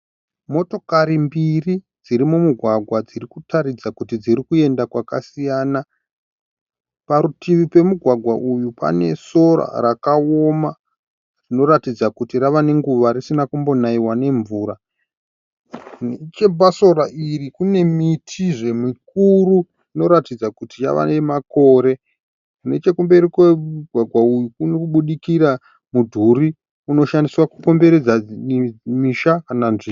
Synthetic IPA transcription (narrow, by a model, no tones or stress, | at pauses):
mo̞to̞kaɾimbiri | d͡ziɾimumuɡʱwaɡʱwad͡zirikutʰaɾid͡zakutid͡ziɾikue̞ndakwakasijaːna | paɾutʰiʋipe̞muɡʱwaɡʱwaʔujupa̰ne̞so̞ɾa̰rakaoma | rino̞ɾatid͡zakutiɾaʋane̞ŋɡuʋaɾisinakumbo̞naiwane̞ɱvuːɾa | nt͡ʃebaso̞raʔirikune̞mitʰiʐe̞mik̚uɾu | rino̞ɾatid͡zakutija̰ʋa̰nemako̞ːɾe̞ | ne̞t͡ʃe̞kumbe̞ɾikeuɡʱwaɡʱwaujukunekuɓuɗikiɾa | mudʱuɾi | uno̞ʃandiswakuko̞mbe̞ɾed͡za | miʃakananʐi